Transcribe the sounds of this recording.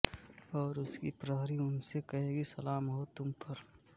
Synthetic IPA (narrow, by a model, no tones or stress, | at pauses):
ɔːɾʊskipɾəɦɾiʊnsekɐɦeːɡisɐlaːmɦot̪ʊmpʰɐɾ